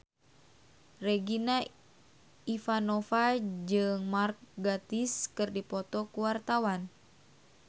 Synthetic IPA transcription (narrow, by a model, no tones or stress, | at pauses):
rɛɡina | ifanofad͡ʒɨŋmark̚ɡat̪iskɨrdipɔt̪ɔkuwart̪awan